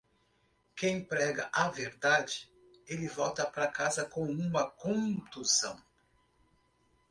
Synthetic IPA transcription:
kẽj̃pɾɛɡɐ̰ʔɐveɾd̪ad͡ʒɪ | elɪvɔwt̪ɐpɾɐkazɐkõwũmɐkõt̪uzɐ̰̃w̃

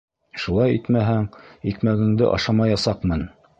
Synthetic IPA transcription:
ʃulˠɑjit̪mæɦæŋikmæɡɘ̆ŋd̪ɘ̰ʔɑ̰ʃɑmɑjɑsɑqmɤn

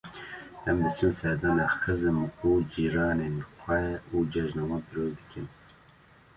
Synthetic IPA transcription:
ɛmd̪ɨt͡ʃʰɨnsɛd̪ɑːnɑːxɨzɨmkud͡ʒiːɾɑːnenxʷɛud͡ʒɛʒnɑːmɑːnpiɾoːzd̪ɨ̥kʰɨn

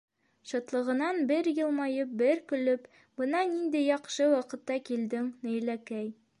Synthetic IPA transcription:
ɕɒ̆t̪lˠɤ̆ʁɤ̆nɑnbɘɾjɤ̆lˠmɑjɤp̚bɘɾkɵ̆lɵp | bɤ̆nɑnind̪ijɒqʃɤwɒqɤ̆t̪ːɑkild̪ɘŋnɵ̆jlækæj

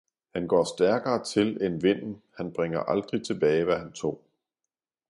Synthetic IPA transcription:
hænɡ̥ɒ̰ːsd̥æɐɡ̥ɐːt͡sʰe̝lenʋe̝n̰n̩hænb̥ʁeŋ̰ɐʔɑ̈ld̥ʁit͡sʰe̝b̥ɛːɪʋæɦænt͡sʰo̝̰ː

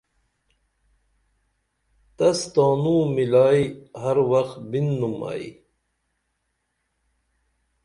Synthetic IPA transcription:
t̪ɐst̪aːnũːmilaːjhɐɾwɐxt̪binːuma̰ḭ

